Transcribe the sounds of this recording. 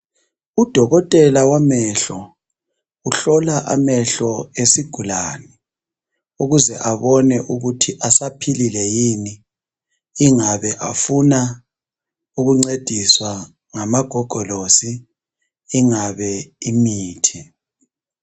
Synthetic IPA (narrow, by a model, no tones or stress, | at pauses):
ud̥ʱɔɣɔtʼɛlawamɛɬɔ | uɬɔlaʔa̰mɛɬɔesiɡ̥ʱulaːni | uɣuzɛʔaβɔnɛʔuɣutʰiʔasapʰililɛjini | iŋaβɛʔafuna | uɣuŋ͡ǀed̥ʱiswa | ŋamaɡ̥ʱɔɡ̥ʱɔlosiː | ŋaβɛimiːtʰi